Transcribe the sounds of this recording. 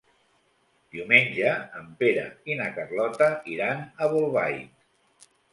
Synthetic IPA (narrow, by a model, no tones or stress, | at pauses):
d̪̥iumenʲʒəːmpeɾə̰inakərlɔt̪əiɾanəβolˠβaj